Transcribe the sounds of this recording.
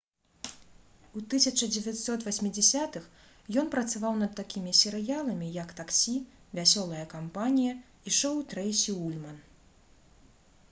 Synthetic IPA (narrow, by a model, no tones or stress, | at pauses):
ut̪ɨsʲɐt͡ʂɐd͡zʲɛvʲatʲsɔt̪vasʲmʲid͡zʲɛsʲat̪ɨx | jɔnpɾɐt̪savawnɐt̪ːakʲimʲisʲɛɾɨjalˠɐmʲijɐkt̪aksʲi | vʲasʲɔlˠɐjɐkampanʲijɐ | iʂɔwt̪ɾɛjsʲiulʲmɐn